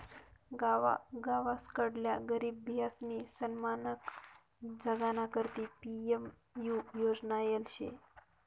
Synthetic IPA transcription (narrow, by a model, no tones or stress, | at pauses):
ɡaʋaɡaʋaskəɽljaɡəɾibːʱjasnisənmanək | d͡ʒəɡanakəɾt̪ipiem | jujod͡znajelʃḛ